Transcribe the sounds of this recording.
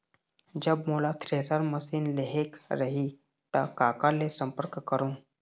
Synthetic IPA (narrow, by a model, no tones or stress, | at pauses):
d͡ʑəbmulat̪ʰɾesaɾməsiːnleɦekɾəɦi | t̪akakalesəmpəɾkkːəɾũː